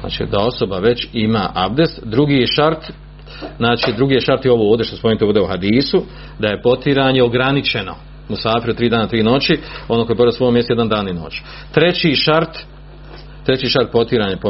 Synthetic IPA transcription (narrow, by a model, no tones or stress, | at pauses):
a̰ːt͡ʃḭd̪ao̞so̞baʋe̞t͡ɕima̰ːʔabd̪e̞st̪d̪ɾuɡijeʃaɾt̪ | znaːt͡ʃiːd̪ɾuɡiːjeʃaɾt̪jeo̞ʋooːʋd̪ʲe̞ʃt̪ospomenit̪ːuːd̪euhad̪iːsu | d̪aje̞po̞t̪iɾaːɲe̞o̞ɡɾanit͡ʃe̞no̞̰ | musaːfiɾuot̪ɾiːd̪aːnat̪ɾiːno̞t͡ɕionokojeboɾiosoomjesje̞d̪and̪aːnino̞̰ːt͡ɕi̥ | t̪ɾe̞t͡ɕiʃaɾt̪ | t̪ɾe̞t͡ɕiːʃaɾt̪̚po̞t̪iɾaːɲapo